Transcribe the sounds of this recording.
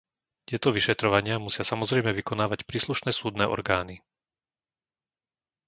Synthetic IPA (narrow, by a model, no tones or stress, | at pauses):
t̪ɪɛt̪ɔʋiʃɛt̪ɾɔʋaɲɪamusɪasamɔzɾɛjmɛʋikɔnaːʋacpɾiːsluʃnɛːsuːd̪nɛ̰ːʔɔ̰ɾɡaːni